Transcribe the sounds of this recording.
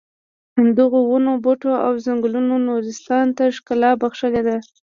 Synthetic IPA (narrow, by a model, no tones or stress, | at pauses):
and̪əɣowunoboʈoa̰wzaŋɡlunonozɪst̪ɑnt̪aʂkalɑbaxʃəled̪a